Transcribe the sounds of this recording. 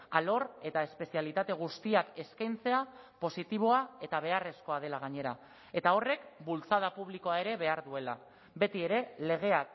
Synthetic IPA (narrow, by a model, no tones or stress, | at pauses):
alo̞ɾe̞t̪ae̞spe̞sialit̪at̪e̞ɣ̞ust̪iake̞skajnt͡se̞a | po̞sit̪iβ̞o̞ae̞t̪aβ̞e̞are̞sko̞að̞e̞laɣ̞aɲe̞ɾa | e̞t̪ao̞re̞kbult͡sað̞apuβliko̞ae̞ɾe̞βe̞aɾðue̞la̰ | be̞t̪ie̞ɾe̞le̞ɣ̞e̞ak